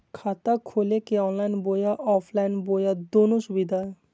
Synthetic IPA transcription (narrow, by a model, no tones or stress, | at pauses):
kʰaːt̪akʰoːlekeɔ̃ːnlaɪnboːjaʔɔːpʰlaːinboːjad̪oːnosʊbid̪ʱaɛ